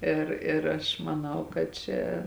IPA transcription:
ˈɪr ɪr ˈɐʃ mɐˈnɐʊ kɐt ˈt͡ʃʲɛ

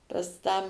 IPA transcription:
pɐs ˈtɑː

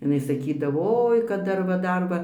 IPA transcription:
ɪˈnɐɪ sɐˈkʲiːdɐʋoː ˈoːɪ kɐt ˈdɐr ʋɐ ˈdɐr ʋɐ

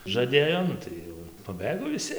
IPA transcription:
ʒɐˈdʲeːjoː ˈnʊ tɐɪ jɛʊ ɪr pɐˈbɘɡoː ʋʲɪˈsʲɪ

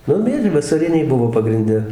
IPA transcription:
ˈnʊ ˈmʲiɛʒʲɛɪ ʋɐsɐˈrʲɪnʲɛɪ ˈbʊʋoː pɐɡrʲɪnʲˈdʲɛ

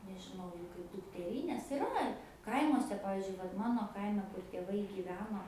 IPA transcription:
nʲɛʒʲɪˈnɐʊ jɛʊ kɐɪp dʊktʲɛˈrʲiːnʲeːs ɪˈrɐ ˈkɐɪmuɔsʲɛ ˈpɑːʋʲɪzʲd͡ʒʲʊɪ ʋɐt ˈmɑːnoː ˈkɐɪmʲɛ kʊr tʲeːˈʋɐɪ ɡʲiːˈʋʲæːnoː

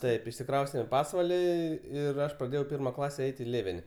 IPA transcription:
ˈtɐɪp ɪʃʲsʲɪˈkrɐʊsʲtʲɛm iː ˈpɑːsʋɐlʲiː ˈɪr ˈɐʃ prɐˈdʲeːjɛʊ ˈpʲɪrmɐ ˈklˠɑːsʲɛ ˈɛɪtʲ iː ˈlʲeːʋʲɛnʲɪ

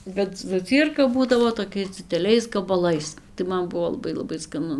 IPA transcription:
bʲɛt zɐˈt͡sʲiːrkɐ ˈbuːdɐʋoː toːˈkʲɛɪs d͡zʲɪdʲɛˈlʲɛɪs ɡɐbɐˈlˠɐɪs tɐɪ ˈmɐn ˈbʊʋoː lˠɐˈbɐɪ lˠɐˈbɐɪ skɐˈnʊ

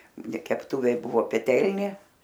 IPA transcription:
nʲɛ kʲɛpˈtuːʋʲeː ˈbʊʋoː pʲɛˈtʲɛlʲnʲeː

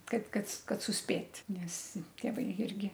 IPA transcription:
ˈkɐɪp ˈkɐt ˈkɐt sʊsʲˈpʲeːtʲ ˈnʲɛs tʲeːˈʋɐɪ ˈɪrʲɡʲɪ

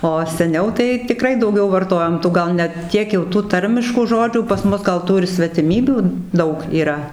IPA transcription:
oː sʲɛˈnʲɛʊ tɐɪ tʲɪˈkrɐɪ dɐʊˈɡʲɛʊ ʋɐrˈtoːjoːm ˈtuː ˈɡɐlˠ nʲɛ ˈtʲiɛk jɛʊ tuː ˈtɐrʲmʲɪʃkuː ˈʒoːd͡ʒʲuː pɐs ˈmʊs ˈɡɐlˠ ˈtuː ɪr sʲʋʲɛtʲɪˈmʲiːbʲuː ˈdɐʊk iːˈrɐ

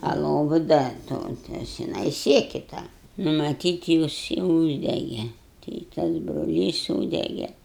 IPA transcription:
ɐ ˈlˠoːʋʊ ˈdɐ ˈtoː ˈtɐs ʒʲɪˈnɐɪ ˈsʲiɛkʲɪ ˈtɑː mɐˈtʲiːt ˈjɪs ɪ ˈuːʒʲdʲɛɡʲɛ tɐɪ ɪ ˈtɐs broːˈlʲiːs ˈsuːdʲɛɡʲɛ

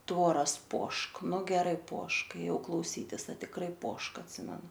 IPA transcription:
ˈtʋoːrɐs ˈpoːʃk ˈnʊ ɡʲɛˈrɐɪ ˈpoːʃk eːˈjɛʊ klˠɐʊˈsʲiːtʲɪs ɐ tʲɪkˈrɐɪ ˈpoːʃk ɐtʲˈsʲɪmʲɛnʊ

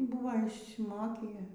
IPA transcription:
ˈbʊʋɐ ɪʃʲsʲɪˈmoːkʲiː

